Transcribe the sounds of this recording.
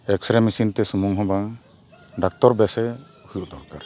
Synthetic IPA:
ɛk̚sɾɛmisint̪ɛsumuŋɦɔbaŋ | ɖak̚t̪ɔɾbɛsɛ | hujuʔd̪ɔɾkaɾ

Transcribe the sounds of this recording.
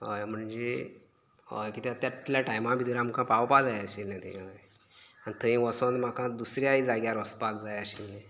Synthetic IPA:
ɦəjm̤əɳd͡ze | ɦə̰jkit̪et̪jat̪ljaʈajmabʱid̪iɾamkʰãpawpad͡zajəɕilːẽt̪ẽɦaj | anit̪ʰəĩʋəsə̃t̪m̤akãd̪usɾjaid͡zaɡjaɾɔspakd͡zajəɕilːẽ

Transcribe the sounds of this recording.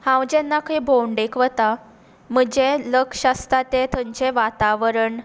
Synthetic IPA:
hãwd͡ʑɛnːakʰebʱoɳɖekʋət̪a | məd͡ʑẽləkɕast̪at̪et̪ʰəɲt͡ɕeʋat̪aʋəɾəɳ

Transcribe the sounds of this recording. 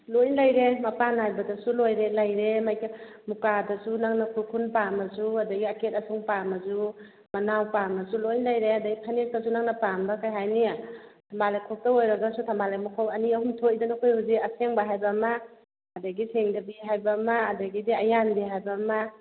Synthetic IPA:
lojnlajɾemɐpanajbɐdɐsulojɾelajɾemajkimukadɐsunaŋnakʰuɾkʰunpamɐzuadaɡiaket̚ɐsuŋpamazu | manawpamɐsulojnlajɾeadaɡipʰanes̚tas̬unaŋnapambakʰajɦajnijatʰambalajkʰok̚taojɾaɡasutʰambalajmukʰawɐniɐhumtʰojdanakʰojhuziɐseŋbaɦajbamaː | daɡiseŋdɐbiɦajbamaːdaɡidiɐjanbiɦajbama

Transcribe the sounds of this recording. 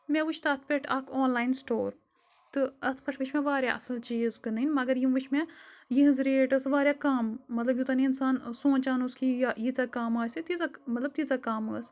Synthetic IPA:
mẽʋut͡ʃʰt̪aːt̪ʰpeʈʰaːkʰoːnlaːinsʈoːɾ | t̪ɨɐt̪ʰpɐʈʰʋɨt͡ʃʰmeʋaːɾʲjaːʔɐ̰sɐlt͡ʃeːzkɨnɨinʲmɐɡɐɾjimʋɨt͡ʃʰmejiɦɨzɾeːʈɐsʋaːɾʲjaːkaːmːɐt̪lɐbjut̪ɐːniinsaːnsõːnt͡ʃaːnuskijjit͡sakaːmaːsit̪izamɐt̪lɐb̚t̪izakaːmaːs

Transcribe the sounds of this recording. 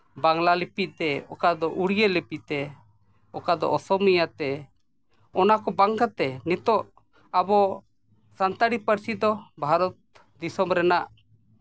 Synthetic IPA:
baŋlalipit̪̚t̪ɛɔ̰kad̪ɔʔuɽijəlɛpit̪ɛ | ɔkad̪ɔ̰ʔɔsɔmijat̪ɛ | ɔnakɔbaŋkat̪ɛnit̪ɔʔ | abɔ | sant̪aɽipəɾsid̪ɔbʱaɾɔt̪̚ | d̪isɔmɾɛnaʔ

